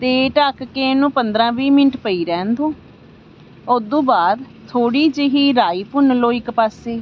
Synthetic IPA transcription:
t̪eːʈakkeːnũːpənd̪ɾãːʋiːmɪnʈpəiːɾɛ̃ːnd̪õː | od̪õːbaːd̪ | t̪ʰoːɽiːd͡ʒeɦiːɾaːiːpʊnloːɪkpaːseː

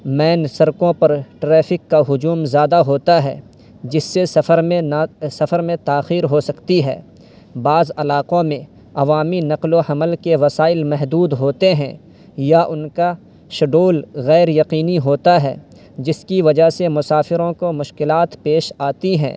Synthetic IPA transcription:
mɛːnsɐɾkõpɐɾʈɾɛːfʰɪkːaɦʊd͡ʒuːmzjaːd̪aɦoːt̪aɦɛ̰ː | d͡ʒɪsːesɐəɾ | sɐfəɾmẽt̪aːxiːɾɦosɐkt̪iɦɛ̰ː | baːzɐlaːqõmẽ | ɐʋaːminɐqloɦɐməlkeʋɐsaːɪlmɛɦd̪uːd̪ɦoːt̪eɦɛ̰̃ | jaʔʊnka | ʃɐɖoːlɣɛːɾjɐqiːniɦoːt̪aɦɛ̰ː | d͡ʒɪskiʋɐd͡ʒaɦsemʊsaːfɪɾõkomʊʃkɪlaːt̪peːʃaːt̪iɦɛ̰̃ː

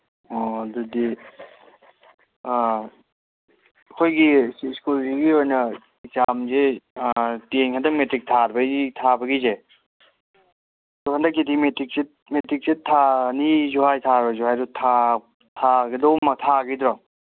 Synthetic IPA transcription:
ɔdudi | kʰojɡiskuliɡiojnɐ | it͡ʃamze | teŋhʰadɐmetɾik̚tʰaɾbɐitʰabɐɡize | dukʰandak̬ːidimetik̚si | metik̚sitʰːanizuɦajtʰaɾbɐzuɦajɾutʰa | tʰaɡidɔwmatʰaɡidɾɔ

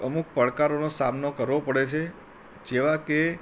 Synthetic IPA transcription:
əmuk̚pəɭkaɾonosamnokəɾʋopəɽet͡ʃʰe | d͡ʒeʋake

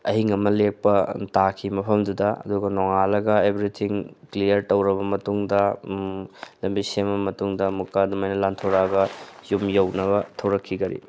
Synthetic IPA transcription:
ɐɦiŋɐmɐlek̚pɐtakʰimɐpʰɐmdudɐɐ̰duɡɐnoŋalɐɡɐebɾitʰiŋklijɐɾtɐwɾɐbɐmɐtuŋdɐ | lɐmbisembɐmɐtuŋdɐmukadumɐjnɐlantʰoɾaɡɐjumjɐwnɐbɐtʰɐwɾɐkʰːiɡɐɾḭ

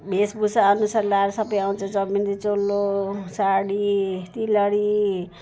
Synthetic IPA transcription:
bʱesbusaʌnusaɾlaɾʌsʌbʌjaw̃t͡sʰʌ̃d͡zʌmind̪it͡solːosaɽit̪ilʌɽi

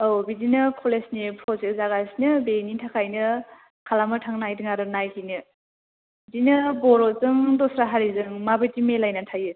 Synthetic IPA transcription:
owbidinɯkʰɔlesnipʰɾɔzek̚zaɡasnɯbenitʰakʰajnɯ | kʰalamɯtʰaŋnajdɯŋaɾɯnajkʰinɯ | bdinɯbɔɾɔzɯŋdɔsɾaɦaɾizɯŋmabɯjtimelajnatʰajɯ

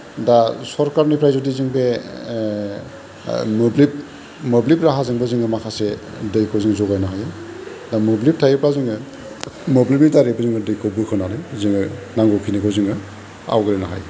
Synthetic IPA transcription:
dasɔɾkaɾnipʰɾajzɔdiziŋbe | mublip̚ | mɔblipɾaɦazɯŋbɯzɯŋɡɯmakʰase | dɯjkʰɯziŋzɔɡajnaɦajɯ | damublip̚tʰajipɾazɯŋɯ | moblip̚nitaɾibɯziŋɯdɯjkʰobɯkʰɯnanɯjziŋɯnaŋɡɔkʰinikʰɯziŋɯ | a̰wɡɯlenaɦa̰j

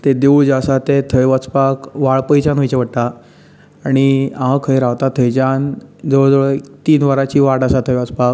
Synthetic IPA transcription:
t̪ed̪euɭd͡ʑasat̪et̪ʰəjʋət͡spakʋaɭpəjd͡ʑanʋəjt͡ɕeʋəɽt̪a | aɽ̃iãəkʰəjɾaʋt̪at̪ʰəjd͡ʑand͡zəʋəɭd͡zəɭət̪iːnʋəɾat͡ɕiːʋaɽasat̪ʰəjʋat͡spak̚

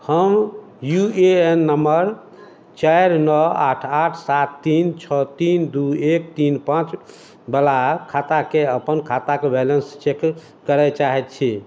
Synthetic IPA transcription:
həm | jueenːəməɾ | t͡ʃajɾnɔa̰ʈʰaʈʰsat̪ːint͡ʃʰɔt̪ind̪uek̚t̪inpãt͡ʃ | bəlakʰat̪akeəpənkʰat̪akebɛlənst͡ʃekː | əɾɛt͡ʃaɦɛt̪̚t͡ʃʰi

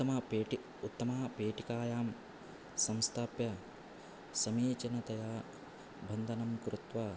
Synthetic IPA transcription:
ɐmɐpeːʈi | ut̪ːɐmaːpeːʈikaːjaːm | sɐmst̪ʰaːpjɐ | sɐmiːt͡ʃɐnɐt̪ɐjaː | bʱɐnd̪ʱɐnɐmkɾut̪ʋaː

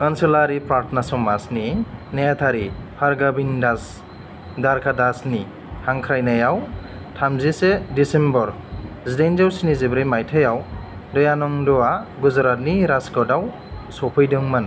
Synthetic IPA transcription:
kanselaɾipɾaɾtʰnasɔmasninejat̪ʰaɾipʰaɾɡabindas | daɾkʰadasni | haŋkʰɾajnajaw | tʰamzisedisembɔɾ | zidajnzawsinizebɾɯjmajtʰajaw | dɔjanɔŋdɔaɡuzɾat̚niɾaskɔdaw | sɔpʰɯjdɯŋman

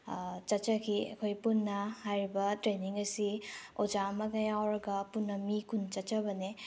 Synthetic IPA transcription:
t͡ʃɐt͡ʃɐkʰiɐ̰kʰojpunːɐhajɾibɐtɾeniŋɐsiod͡ʒamɐkɐjawɾɐɡɐpunːɐmikʰunt͡ʃɐt͡ʃɐbɐne

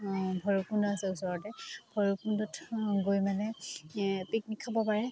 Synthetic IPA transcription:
bʱɔɹukundɔasɛusɔɹɔtɛbʱɔɹukundɔtɡojmanɛ | piknikʰːabɔpaɹɛ

